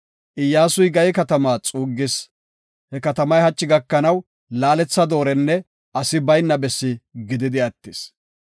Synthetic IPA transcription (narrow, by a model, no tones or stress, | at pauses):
ʔɪjːaːsʊjɡɐjɛkɐt̪ɐmaːt͡sʼuːɡːɪs | hɛkɐt̪ɐmɐjhɐt͡ʃːɪɡɐkːɐnɐw | laːlɛt͡sːɐd̪o̞ːɾɛnːɛ | ʔɐsɪbɐjnːɐbɛsːɪɡɪd̪ɪd̪ɪɐt̪ːɪs